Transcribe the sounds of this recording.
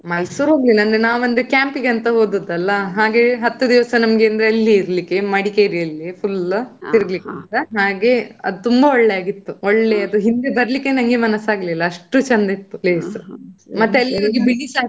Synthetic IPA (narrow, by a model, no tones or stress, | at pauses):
mɐlsuːɾɦoːɡlinɐnd̪ɾenaːʋɐnd̪ekjaːmpiɡɐnt̪ɐɦo̞ːd̪ɐd̪ɐlːɐɦaːɡe̞ɦɐt̪ːud̪iʋɐsɐnɐmɡe̞ːnd̪ɐɾeɐlːiːɾlikːe̞mɐɽikeːɾiɐlːipʰult̪iɾɐɡlikːeɐnt̪ɐɦaːɡe̞ɐ̰d̪ut̪umbɐɔɭːe̞aːɡit̪ːuoɭːe̞ɐd̪uɦind̪e̞bɐɾɐlikːe̞nɐŋɡe̞mɐnɐsaːɡɐlilːɐːʂʈut͡ʃɐnd̪ɐit̪ːupleːsmɐt̪ːeɐlːinɐɡebiɽisaː